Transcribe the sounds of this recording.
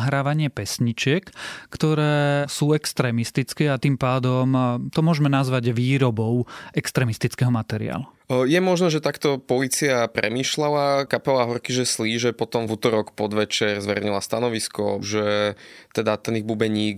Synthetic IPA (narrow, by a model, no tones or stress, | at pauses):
ɦɾaːʋaɲɪɛpɛsɲit͡ʃɪɛkːt̪ɔɾɛːsuːɛkst̪ɾɛːmist̪it͡skɛːat̪iːmpaːd̪ɔmt̪ɔmʊɔʒmɛnazʋaɟʋiːɾɔbɔʊɛkst̪ɾɛːmist̪it͡skɛɦɔmat̪ɛɾḭa̰ːlu | jɛmɔʒnɛʒɛt̪akt̪ɔpɔliːt͡siapɾɛ̰miːʃlalakapɛlaɦɔɾkiʒɛsliːʒɛpɔt̪ɔmvut̪ɔɾɔkpɔd̪ʋɛt͡ʃɛɾzʋɛɾɛɲilast̪anɔʋiskɔ̰ʒɛt̪ɛd̪at̪ɛniɣbubɛɲiːk